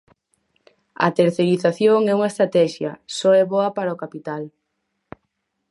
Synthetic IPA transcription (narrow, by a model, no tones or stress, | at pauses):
ɐ̰t̪eɾθeɾiθaθjoŋɛuŋaest̪ɾat̪ɛʃjɐsɔɛβoɐpaɾaokapit̪al